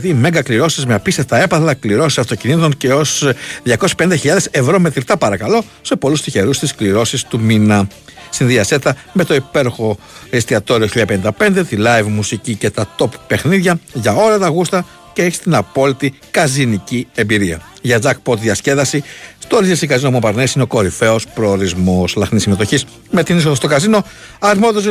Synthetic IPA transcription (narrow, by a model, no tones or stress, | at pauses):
t̪iːme̞ŋɡɐkliɾo̞sizmeɐpist̪eft̪ɐe̞pɐθlɐkliɾo̞si̥sɐft̪ocinit̪o̞nce̞o̞sðʝɐko̞si̥penind̪ɐçiʎɐðese̞vɾo̞me̞t̪ɾit̪ɐpɐɾɐkɐlo̞ | se̞po̞lust̪içe̞ɾust̪iskliɾo̞sist̪uminɐsinðiɐse̞t̪ɐ | me̞t̪o̞ipe̞ɾoxo̞ist̪iɐt̪o̞ɾioçiʎːɐɐpenind̪ɐpe̞nd̪e̞t̪ilɐjvmusicice̞t̪ɐt̪o̞pːe̞xniðʝɐʝɐo̞lɐt̪ɐɣust̪ɐ | ceeçi̥st̪inɐpo̞lit̪i | kɐzinicie̞mbiɾiɐ̰ | ʝɐd̪ɐkpo̞t̪ðjɐsce̞ðɐsist̪oɾizesikɐzinomopɐɾnesineo̞ko̞ɾife̞o̞spɾo̞ːɾizmo̞slɐxnisimet̪o̞çis | me̞t̪inis̬oðɐst̪o̞kɐzino̞ | ɐɾmoðoz